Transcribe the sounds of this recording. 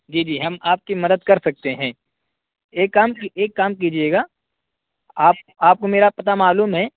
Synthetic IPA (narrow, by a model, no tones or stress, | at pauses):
d͡ʒiːd͡ʒiːɦɐmaːp̚kimɐd̪əd̪̚kɐɾsɐk̚t̪eɦɛ̃ː | eːkːaːmkieːkːaːmk̬id͡ʒieːɡaː | aːp̚ | aːp̚komeːɾapɐt̪̬amaːluːmɦɛː